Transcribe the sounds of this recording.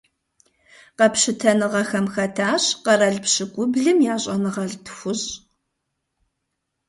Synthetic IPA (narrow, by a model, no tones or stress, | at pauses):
qɐpɕɪtʰɐnɨʁɐxɐmxɐtʰaːɕqɐɾɐɮpɕɪɡʷʼʊbɮɨmjaːɕʼɐnɨʁɐɮtʰxʷʊʑ